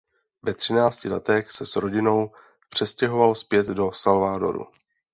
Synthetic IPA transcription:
vɛt̪r̝̥ɪnaːt͡scɪlɛt̪ɛxsɛsɾo̞ɟɪno̞w | pr̝̥ɛscɛɦo̞valspjɛd̪do̞salvaːdo̞̰ɾṵ

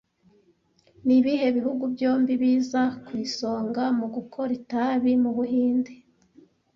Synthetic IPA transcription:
niβihe̞βihuɡubjo̞ːmbiβiːzakwiːso̞ːŋɡamuɡukʰo̞ɾitaβimuβuɦiːnde

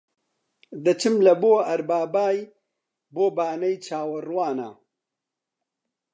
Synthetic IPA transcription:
d̪ɐt͡ʃʰɨmlɐboːɐɾbaːbaːj | boːbaːnɐjt͡ʃʰaːwɐrwaːna̰

